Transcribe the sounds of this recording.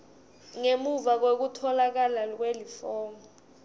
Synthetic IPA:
ŋemuvak̬wek̬utʰɔlak̬alak̬welifɔːmɔ

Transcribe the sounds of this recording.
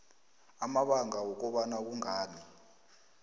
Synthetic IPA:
amaɓaŋawɔk̬ɔɓanak̬uŋaːni

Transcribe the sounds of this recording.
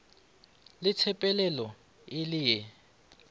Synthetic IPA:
lɪt͡sʰɛpʼɛlɛlɔ | ɪlɪjɛ

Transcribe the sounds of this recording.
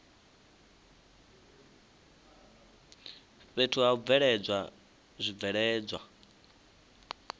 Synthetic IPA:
βetʰuaub̪vɛɺɛd͡zwa | zʷivɛɺɛːd͡zwa

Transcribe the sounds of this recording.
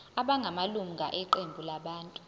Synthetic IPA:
aɓaŋɡʱamalum̩ŋɡʱaʔiǃembʱulaɓaːntʼu

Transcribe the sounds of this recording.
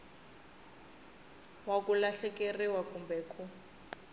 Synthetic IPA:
wakulaɬɛkeriwakumbɛkʰʼu

